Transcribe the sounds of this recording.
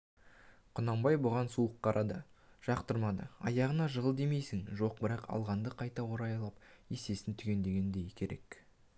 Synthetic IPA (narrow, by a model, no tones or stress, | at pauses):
qʰʊnɑmbɑjbʊʁɑnsuəqʰːɑɾʔɑd̪əʒ̥ɑqt̪əɾmɑd̪ə̰ɑ̰jɑʁənɑʒəʁəlˠd̪e̞mejsɪŋʒo̞q̚bɪɾɑqɑ̰lˠʁɑnd̪əqʰɑjt̪ɑwo̞ɾɑjɑlˠɑp | jese̞sɪnt̪ʰʏɡʲe̞nd̪e̞ɡʲe̞nd̪e̞jɪkʲʰe̞ɾe̞̰k